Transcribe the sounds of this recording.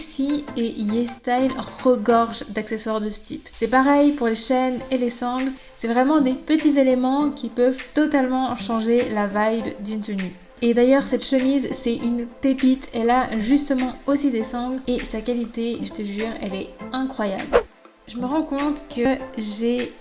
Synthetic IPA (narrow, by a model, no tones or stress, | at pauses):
ksiejɛst̪ajlʁəɡɔʁʒd̪akseswaʁd̪əsə̥t̪ipsɛpaʁɛjpuʁleʃɛnelesɑ̃ɡl | sɛvʁɛmɑ̃d̪epət̪izelemɑ̃kʲʰipœvt̪ɔt̪almɑ̃ʃɑ̃ʒelavajbd̪ynt̪əny | ed̪ajœʁsɛt̪ʃəmizsɛynpepit̪ʰɛlaʒyst̪əmɑ̃osid̪esɑ̃ɡlesakalit̪eʒət̪əʒyːʁɛ̰lɛɛ̃kχwaja̰bl | ʒəməʁɑ̃kɔ̃t̪kʰəʒe